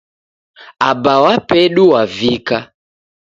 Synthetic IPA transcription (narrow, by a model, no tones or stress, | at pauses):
abawapɛɗuwavika